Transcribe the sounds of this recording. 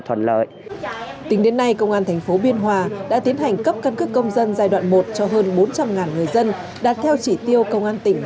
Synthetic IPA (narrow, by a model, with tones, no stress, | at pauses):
t̪ʰə̰˧˩nlə̰ː˧˨j | t̪ï˨˦ŋɗe˨˦nːa˧jkə˧wŋ͡mʔaː˧nt̪ʰɛ˨˩jŋ̟fo˨˦ɓi˧ənɦwaː˧˩ɗa̰ː˧˥t̪i˨˦ənɦa˨˩jŋ̟kə˦˥p̚kə˧nkɨ˦˥k̚ːə˧wŋ͡mzə˧nzaː˧jɗwa̰ː˧˨nmo˨˩t̚t͡ɕɔ˧ɦəː˧nɓo˨˦nt͡ɕa˧mŋaː˨˩nŋɨ˨˩əjzə˧n | ɗaː˨˩t̚t̪ʰɛ˧wt͡ɕi˧˩t̪i˧əwkə˧wŋ͡mʔaː˧nt̪ï˧˩ŋ̟